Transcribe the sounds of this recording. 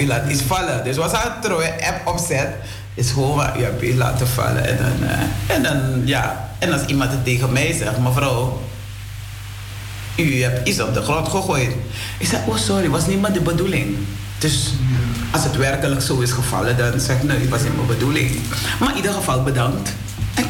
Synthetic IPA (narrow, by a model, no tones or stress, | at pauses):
ylaːtit͡sfɑlədøsʋɑsaːtrojəʔɛpɔpsɛt | ɪsxoʋa̰ʔy̰ɛpisla̰ːtəfɑ̰lə̰ɛ̰ndɑ̰n̰ɛndɑnja̰ːɛnɑsimɑntətːeːɣəmɛjsɛxtmafəɾɑlˠ | yɦɛpisɔp̚dəxrɔtχəχoːjt | ɪksɛʔoːsɔɾiʋɑsnimadəbədulɪŋ | d̥øsʔɑsətʋɛrkələksoːɪsxəv̥ɑ̰lədɑnsɛxknoːɪtʋɑsniməbədulɪ̰ŋmaʔidəxəfɑlˠbədɑŋkt